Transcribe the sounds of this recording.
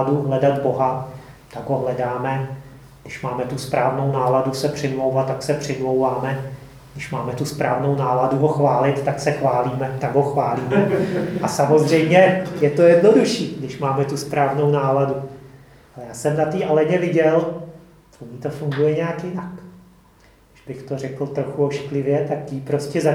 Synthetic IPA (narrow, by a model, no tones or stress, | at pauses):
duɦlɛdat̪bo̞ɦa | t̪aɡɦo̞ɦlɛdaːmɛ | ɡdɪʃmaːmɛt̪uspɾʔaːvno̞wnaːladusɛpr̝̥ɪmlo̞wvat̪ːaksɛpr̥ɪmlowvaːmɛ | ɡdɪʃmaːmɛt̪uspɾʔaːvno̞wnaːladuɦo̞xvaːlɪt̪t̪ːaksɛxvaːliːmɛt̪aɡɦoxvaːliːmɛʔasamo̞zr̝ɛjmɲɛjɛt̪o̞jɛdno̞duʃiːɡdɪʃmaːmɛt̪uspɾaːvnownaːladu | ʔalɛjaːsɛmnat̪iːʔalɛɲɛvɪɟɛl | t̪uɲiːt̪ofuŋɡujɛɲɛaːkjɪnak | ɡ | dɪʒ̥bɪxt̪o̞rɛkl̩t̪ɾoxuoʃklɪvjɛt̪akciːpɾo̞scɛza